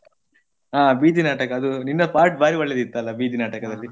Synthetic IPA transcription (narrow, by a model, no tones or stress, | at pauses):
aːbiːd̪ʱinaːʈɐkɐːd̪uninːɐpaːɾʈ̚baːɾiʋɔɭːed̪it̪ːuɐlːɐbiːd̪ʱinaːʈɐkɐd̪ɐlːi